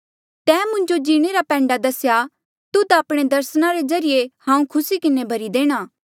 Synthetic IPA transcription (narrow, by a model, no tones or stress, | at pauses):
t̪ɛːmʊ̃ɲd͡ʒod͡ʒiːɽ̃eɾapɛ̃ːɳɖad̪ɐsja | t̪ʊd̪aɐpɽ̃ed̪ɐɾsnaɾezɐɾɪjehãːũkʰʊsikɪnebʱɐɾid̪eːɽ̃aː